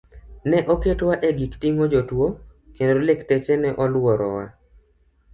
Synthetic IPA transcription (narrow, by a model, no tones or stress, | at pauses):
nɛʔɔketwaʔeɡiktiŋod͡ʒotwo | kendoolektɛt͡ʃɛnɛʔɔlwɔɾɔ̰wa̰